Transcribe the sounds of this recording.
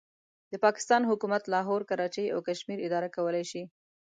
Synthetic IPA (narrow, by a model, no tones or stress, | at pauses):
d̪̥əpɑkɪ̥st̪ɑnɦʊkumat̪lɑɦoɾkaɾɑt͡ʃeja̰wkaʃmiɾɪd̪ɑɾakawəlajʃi